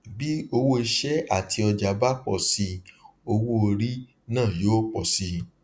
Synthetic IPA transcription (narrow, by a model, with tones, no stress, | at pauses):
bi˦o˧wo˦i˧ʃɛ˦a˦˨tʰi˧ɔ˧d͡ʒa˨ba˦k͡pɔ˦˨si˧o˧wo˦o˧ɾi˦ | nãː˦˨joː˦k͡pɔ˦˨si˧˦